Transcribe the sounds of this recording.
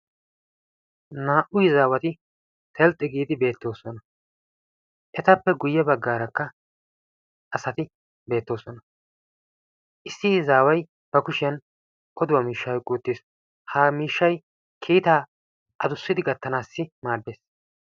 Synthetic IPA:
naːʔʊjɪzaːwɐt̪ɪ | t̪ʰɛlt̪ʼːɛɡiːd̪ɪbe̞ːt̪ːo̞ːsɔnɐ | ʔɛt̪ɐpːɛɡʊjːɛbɐɡːaːɾɐkːɐ | ʔɐsɐt̪ɪ | be̞ːt̪ːo̞ːsɔnɐ | ʔɪsːɪzaːwɐj | b̥ɐkʊʃɪjɐn | kʰɔd̪ʊwɐmiːʃːɐwkʼuːt̪ːis | haːmiːʃːɐj | kʰiːt̪aː | ʔɐd̪ʊsːɪd̪ɪɡɐt̪ːɐnaːsːɪmaːb̪ːeːs

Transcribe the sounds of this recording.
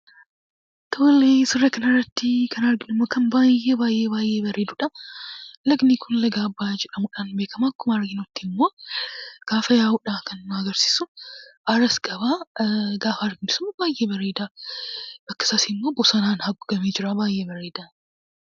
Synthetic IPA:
t̪ʰoːlesɪrːɐkɐnɐrːɐt̪ːɪkɐnɐɾɡɪnɪmːoːkɐnbaːjeːbaːjʔːeːbaːjʔeːbɐɾeːd̪ʊᶑɐ | lɐɡnikʰʊnlɐɡaːbːaːd͡ʒɛᶑɐmʊᶑaːnbe̞ːkɐmakːʊmaɾɡɪnɔt̪ːɪmːo̞ː | ɡ̥aːfɐjaːʊᶑaːkɐnːɐɡɐɾsi̥ːsʊʔɐɾɐsɡɐβaːɡaːfɐːɾɡɪnɪsʊmːɐbaːjʔeːbɐɾeːd̪aː | bɐkːɐ̥saːsɪmːo̞ːbɔsɐnaːnhɐɡʊɡɐmeːd͡ʒɪɾabaːjʔeːbɐɾeːd̪aː

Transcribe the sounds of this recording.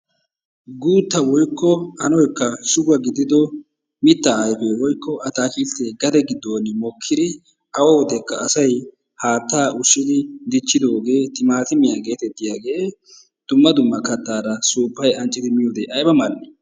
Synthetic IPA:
ɡuːt̪ːɐwɔjkːɔɐnɔjkːɐsʊɡɐɡɪd̪ɪd̪ɔ | mɪt̪ːɐːjfewɔjkːɔʔɐt̪aːkilt̪ːeːɡɐd̪ɛɡɪd̪ːoːnɪmɔkʰːɪd̪ɪ | ɐwɐwɔd̪ɛkːɐːsɐj | haːt̪ːaːʔʊʃːɪd̪ɪd̪ɪt͡ʃːɪd̪o̞ːɡe̞ːt̪ɪmaːt̪ɪmɪjaːɡe̞ːt̪ɛt̪ːɪjaːɡe̞ː | d̪̥ʊmːɐd̪ʊmːɐkɐt̪ːaːɾɐsuːpːɐjɐnt͡ʃʼːɪd̪ɪmɪjoːd̪eʔɐjbɐmɐlːɛ

